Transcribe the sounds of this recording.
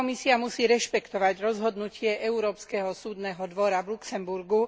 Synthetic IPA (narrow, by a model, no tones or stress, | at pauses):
ɔmisiamusiːɾɛʃpɛkt̪ɔʋaɟɾɔzɦɔd̪nucɪɛʔʔɛuɾɔːpskɛɦɔsuːd̪nɛɦɔd̪ʋɔɾaʋluksɛmbuɾɡu